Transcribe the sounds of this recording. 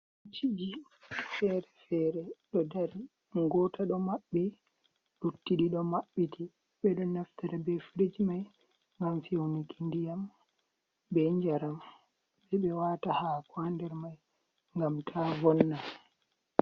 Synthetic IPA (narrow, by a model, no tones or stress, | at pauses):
t͡ʃːid͡ʒi | fɛɾɛfɛɾɛɗɔdaɾi | ɡɔtaɗɔmaɓːi | ɗutːiɗiɗɔmaɓːitʰi | bɛɗɔnaftaɾabɛfiɾid͡ʒimaj | ŋɡamfiwnikindijam | bɛɲd͡ʒaɾam | bɛɓɛwatahakwandɛɾmaj | ŋɡamtʰavɔnːa